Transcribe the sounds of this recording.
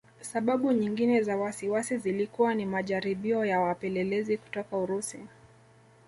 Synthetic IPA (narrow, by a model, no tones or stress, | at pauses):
saɓaɓuɲiŋɡinɛzawasiwasizilikuwanimaʄaɾiɓiɔjawapɛlɛlɛziku̥tɔkauɾusi